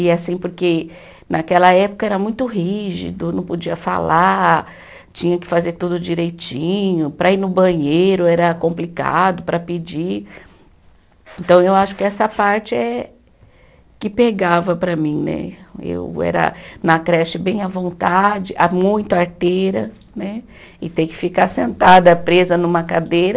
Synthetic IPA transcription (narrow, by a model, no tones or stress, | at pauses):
ɪasĩpoɾke | nʔakɛlɐɛpʊ̥kɐɛɾɐmũj̃t̪ʊɦiʒḭd̪ʊnɐ̃w̃pod͡ʒiɐfa̰la | t͡ʃĩɲɐkɪ̥fazeɾt̪ud̪ʊd͡ʒiɾejt͡ʃĩɲʊpɾɐiɾnʊbɐ̃ɲejɾʊɛɾɐkõmplika̰d̪ʊpɾɐpɪd͡ʒi | ẽnt̪ɐ̃w̃ewaʃʊ̥kɪɛsɐpaɾt͡ʃɪɛ | kɪpeɡavɐpɾɐmĩnɛ̰ḛwɛ̰ɾɐ̰nɐkɾɛʃɪbẽj̃ɐvõnt̪ad͡ʒɪʔamũj̃t̪ʊaɾt̪ejɾɐ | nɛ | ɪt̪ẽjkɪ̥fikaɾsẽnt̪ad̪ɐpɾezɐnũmɐkad̪ejɾɐ